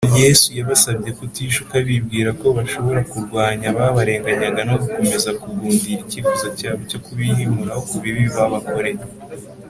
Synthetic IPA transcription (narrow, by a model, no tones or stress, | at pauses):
je̞sujaβasabje̞kutiʃukaβibɡiːɾako̞βaʃo̞βo̞ɾakuɾɡwaːɲaβaβaɾe̞ːŋɡaɲaŋɡanoɡuko̞me̞zakuɡuːndiːɾicifuzocaːβoco̞kuβihimuɾahokuβiβiβaβako̞ɾe̞j